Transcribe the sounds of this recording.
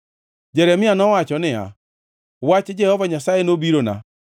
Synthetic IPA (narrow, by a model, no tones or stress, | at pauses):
d͡ʒɛɾɛmianɔwat͡ʃɔnea̰ | wat͡ʃed͡ʒɛhɔvaɲasaɛnobiɾona̰